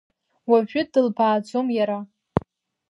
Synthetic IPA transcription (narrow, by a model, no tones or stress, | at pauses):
waʒᶣʊdɨlbʰaːd͡zomjaɾa